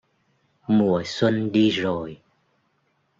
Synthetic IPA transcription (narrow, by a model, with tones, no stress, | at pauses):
mu˨˩əswə˧nɗi˧zo˨˩j